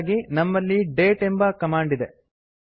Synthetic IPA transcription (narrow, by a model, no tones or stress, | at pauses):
ɡinɐmːɐlːiɖe̞ːʈembɐkɐmaːɳɖid̪e̞